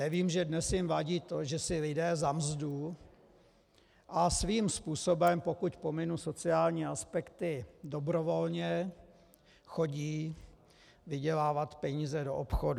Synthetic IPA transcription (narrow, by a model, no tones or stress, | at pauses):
nɛviːmʒɛdnɛsjɪmvaɟiːt̪o̞ʒɛsɪlɪdɛːzamzdu | ʔasviːmspuːso̞bɛmpo̞kucpomɪnuso̞t͡sɪaːlɲiːaspɛkt̪ɪdo̞bɾo̞vo̞lɲɛ | xo̞ɟiː | vɪɟɛlaːvat̪pɛɲiːzɛdo̞̰ʔopxodu